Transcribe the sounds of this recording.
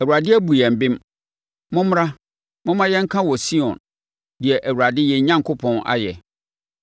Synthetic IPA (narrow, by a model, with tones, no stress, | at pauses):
æ˨u˨a˨dɪ˦æ˦bu˨jɛ˨m̩˨bɪ̃˦m | mʊ̃˦m˦ã˦ | mʊ̃˦mã˦jɛ̃˦ŋ̩˦kʰã˦wɔ˨si˦ɔ̃˨n | dɪ˨ɛ˨ʔæ˨wu˨ɾa˨dɪ˦jɛ˨˦ɲã˦ŋkʰʊ˦pʰɔ̃˦na̰˦jɛ˨